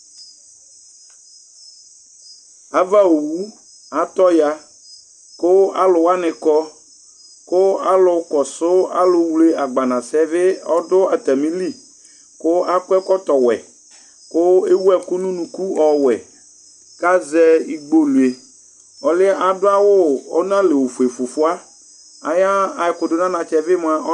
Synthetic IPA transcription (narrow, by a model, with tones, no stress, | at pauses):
a˨va˦o˨wu˦ | a˨t̪ɔ˦ja˦ | kʊ˦a̰˦lʊ˨wa˦nɪ˨kɔ˦ | kʊ˦a˦lʊ˨kɔ˨sʊ˦a˦lʊ˨wle˦a˨ɡ͡ba˨nã˨sɛ˦vɪ˦ɔ˦dʊ˦a˨t̪a˨mĩ˦li˦ | kʊ˦a˦kʊ˦ɛ˦kɔ˦t̪ɔ˨wɛ̰˨ | kʊ˦e˦wu˦ɛ˨kʊ˦nũ˦nũ˨ku˦ɔ˨wɛ˨ | ka˦zɛ˦i˦ɡ͡bo˦lu˨e˨ | ɔ˨lɪ˦a˨dʊ˦a˦wʊ˦ɔ˦nã˦le˨wo˨fu˨e˨fʊ˨fʊ˦a˦ | a̰˨ja˦a˨ɪ˨kʊ˨dʊ˨nã˦nã˨t͡ʃɛ˨vɪ˦m˨˦a˨ʔɔ˦